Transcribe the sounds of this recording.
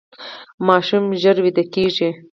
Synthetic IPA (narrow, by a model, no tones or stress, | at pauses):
mɑʃumʒəɾwid̪akeʒi